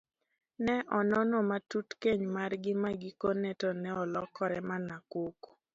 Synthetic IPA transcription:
nɛʔɔnɔnɔmatutkeɲmarɡɪmaɡikonɛtɔnɛɔlɔkʰɔɾɛmanakoko̥

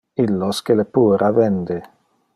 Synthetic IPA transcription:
ilːoskelepuːɾʔavend̪e

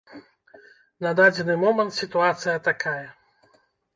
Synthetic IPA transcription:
nɐd̪ad͡zʲɛnɨmɔmɐnt̪sʲit̪uat̪sɨjɐt̪akajɛ

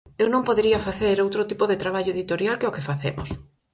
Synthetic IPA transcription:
ewnõmpoðeɾiɐfaθeɾowt̪ɾot̪ipoðet̪ɾaβ̞aʎoeðit̪oɾjalkeokɪfaθemʊ̰s

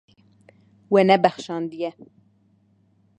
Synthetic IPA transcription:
wɛnɛbæxʃɑːnd̪ijɛ

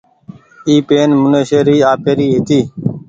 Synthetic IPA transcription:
iːpeːnmʊneːʃeːɾiːaːpeːɾiːɦɪt̪iː

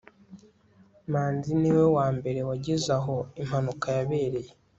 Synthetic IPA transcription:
maːnziniwe̞waːmbe̞ɾewaɟizaɦo̞im̥hanukajaβe̞ːɾe̞je

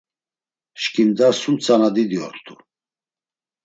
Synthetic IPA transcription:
ʃkʼimd̪asumt͡sʰʼanad̪id̪iɔ̰ɾt̪ʰʼu

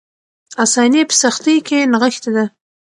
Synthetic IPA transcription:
asɑnepə̥saxt̪əjkenaɣəxt̪ad̪a

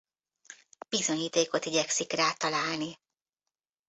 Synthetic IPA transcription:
b̥izo̞ɲiːt̪eːko̞t̪iɟɛksikraːt̪ɒlaːlni

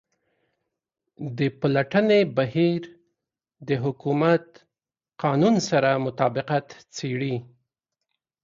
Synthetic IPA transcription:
d̪əpalaʈənebahiɾ | d̪əɦʊkumat̪ | qɑnunsaɾamʊt̪ɑbɪqat̪t͡seɽi

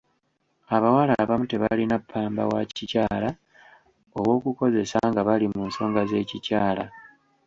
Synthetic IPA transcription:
aβawalaβamute̞βalinapʰːaːmba̰wacicaːla | o̞βwo̞ːkuko̞ze̞saŋɡaβalimunso̞ːŋɡaze̞ːcicaːla

